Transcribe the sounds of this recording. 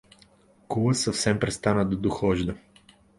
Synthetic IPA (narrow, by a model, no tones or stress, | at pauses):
kuləsɐfsɛmpɾɛst̪anəd̪ɐd̪oxɔʒd̪ə